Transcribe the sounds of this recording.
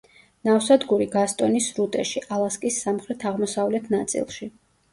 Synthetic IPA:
nafsad̪ɡuɾiɡast̪ʼɔnisɾut̪ʼɛʃiʔalˠaskʼisːamχɾɛt̪ʰaʁmɔsavlɛt̪ʰnat̪sʼḭlˠʃi

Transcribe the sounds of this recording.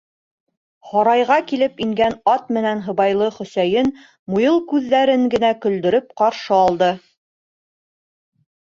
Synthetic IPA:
χɑɾɑjʁɑkilɘpiŋɡænɑt̪̚mɘ̆nænɦɤ̆βɑjlˠɤχɵ̆sæjɘn | mujɤlˠkʉðːæɾɘŋɡɘ̆nækɵ̆ld̪ɵ̆ɾɵp̚qɑɾʃɤɑlˠd̪ɤ

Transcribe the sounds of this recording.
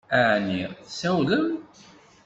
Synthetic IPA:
æʕniθsæwləm

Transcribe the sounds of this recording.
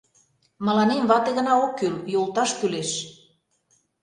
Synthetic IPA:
mə̆lɑnemβɑt̪eɣə̆nɑokːyljolˠt̪ɑʃk̪yleʃ

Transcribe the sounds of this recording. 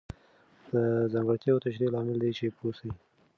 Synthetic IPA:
d̪̥əzaŋɡaɽt̪jɑwt̪aʃ̬ɾilɑmɪld̪et͡ʃepʰosai

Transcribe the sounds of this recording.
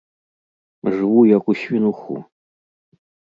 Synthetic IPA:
ʐɨwujakuɕvʲinuxṵ

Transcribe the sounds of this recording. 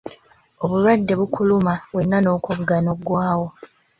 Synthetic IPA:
o̞βulwadːe̞βukulumaβwe̞nːano̞ːkoβuɡanobɡwaːwo̞

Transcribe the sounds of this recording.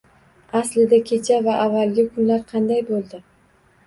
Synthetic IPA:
aslɪd̪akʲʰe̞t͡ʃʰavaʔavːalɡʲɪkʰʊnlaɾqʰɑnd̪ajbolˠd̪ɪ

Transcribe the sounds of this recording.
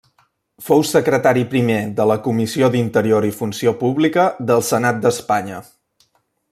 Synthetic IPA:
fowsəkɾət̪aɾipɾimeðələkumisiod̪int̪əɾioɾifunsiopuβlikəðəlˠsənat̪̚d̪əspaɲə

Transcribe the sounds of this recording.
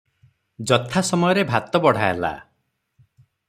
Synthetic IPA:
d͡ʒɔt̪ʰasɔmɔjɔɾebʱat̪ɔbɔɽ̤aḛla̰

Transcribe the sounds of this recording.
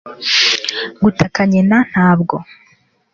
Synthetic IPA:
ɡutakaɲenan̥haːbɡo̞

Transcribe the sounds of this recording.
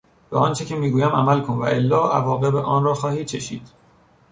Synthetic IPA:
b̥eʔɒːnt͡ʃʰe̞cʰemiːɡuːjæmæ̰mælkʰonvæ̰ʔelːɒːʔævɒːɣe̞beʔɒːnrɒːxɒːhiːd̪̚t͡ʃʰeʃḭːd̪̥

